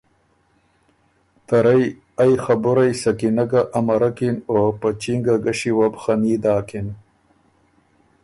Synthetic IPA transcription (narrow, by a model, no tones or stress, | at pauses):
t̪aɾaj | ajxabʊɾajsakinaɡaʔːmaɾakinopat͡ʃiŋɡaɡaʂiwabxamiːd̪aːkin